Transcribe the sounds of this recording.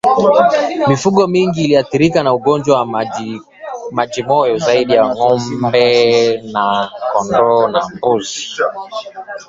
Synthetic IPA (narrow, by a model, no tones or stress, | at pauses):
mifuɠɔmiŋɡiːliaθiɾikanauɠɔnd͡ʒwawa | maʄimɔjɔzaiɗijaŋɔmbɛnakɔndɔnambuzi